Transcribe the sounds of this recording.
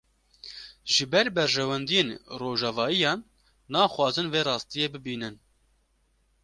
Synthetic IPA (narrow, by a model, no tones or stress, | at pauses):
ʒ̥ɨbɛɾbɛɾʒɛwɛnd̪ijeːnroːʒɑːvɑːijɑːnː | ɑːxwɑːzɨnveːɾɑːst̪ijeːbɨbiːnɨn